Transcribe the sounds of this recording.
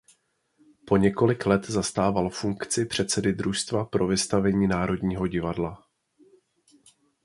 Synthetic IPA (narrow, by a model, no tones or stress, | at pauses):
po̞ɲɛko̞lɪklɛt̪zast̪aːvalfuŋkt͡sɪpr̝̥ɛt̪sɛdɪd̪ɾuʃst̪vapɾʔo̞vɪst̪avɛɲiːnaːɾo̞dɲiːɦo̞ɟɪvadla